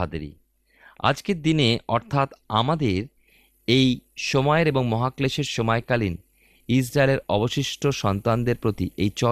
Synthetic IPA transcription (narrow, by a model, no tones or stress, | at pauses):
ad̪ḛɾḭ | a̰d͡ʑkeɾd̪ineɔɾt̪ʰat̪a̰mad̪eɾ | ejʃɔmɔeɾeboŋmɔɦakleʃeɾʃɔmɔekalin | is̬ɾaeleɾɔ̰boʃiʃʈʰoʃɔnt̪and̪eɾpɾot̪iʔejt͡ɕɔ